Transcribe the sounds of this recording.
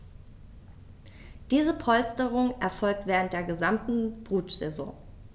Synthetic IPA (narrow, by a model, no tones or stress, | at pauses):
d̥iːzəpʰɔlstəʁ̞ʊŋʔɛɐfɔlk̚tv̥ɛːʁ̞əntd̥eːɐɡəzamtn̩b̥ʁuːtz̥ɛzɔ̰̃ː